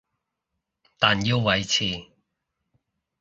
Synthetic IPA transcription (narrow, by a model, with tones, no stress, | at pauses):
t̪aː˨nji˧wːɐ˨˧jt͡sʰiː˨˧˩